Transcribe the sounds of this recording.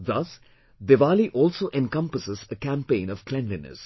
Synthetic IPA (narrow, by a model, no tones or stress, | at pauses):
d̪ʌs | d̪eʋaːliʔɔːlsoːʔɛ̃nkʌ̃mpəsəzəkæ̃mpẽːnɔʋ̥klɛ̃nlɪnə̰z̥